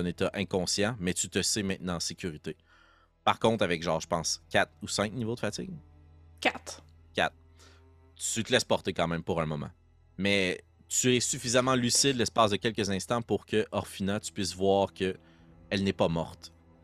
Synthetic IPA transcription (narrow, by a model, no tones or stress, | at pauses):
net̪aʔɛ̃kɔ̃sjãmɛt̪yt̪əsemɛ̃t̪̚nɑ̃ɑ̃sekʲyʁit̪e | paʁkɔ̃t̪avɛkʒɑ̃ːʁʒəpɑ̃skʲat̪usɛ̃k̚nivod̪əfatɪ̰ɡ̚kʲat̪ | kʲa̰t̪̚ | yt̪əlɛspɔʁt̪ekɑ̃ːmɛ̃mpuʁɛ̃mɔmã̰ | mɛ | t̪yɛsyfizamɑ̃lysɪd̪lɛspɑːsd̪əkʲɛlkəzɛ̃st̪ɑ̃puʁkʲəʔɔʁfinat̪y̥pɥɪsvwaːʁkʲʰə | ɛlnɛpamɔʁt̪